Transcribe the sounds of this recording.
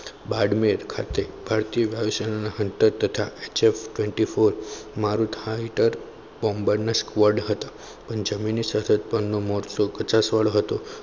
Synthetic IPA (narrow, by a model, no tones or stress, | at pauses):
baɖmeɾkʰa̰t̪ebʱaɾt̪ijəʋjaʋisənanaɦənt̪əɾt̪ət̪ʰaet͡ʃefʈʋɛɳʈifoɾmaɾũt̪ʰaiʈəɾ | bɔmbəɾnaskʋəɖɦət̪a | pəɳd͡ʒəminisət̪ʰət̪̚pənːomɔɾsokət͡ʃasʋaɭoɦət̪o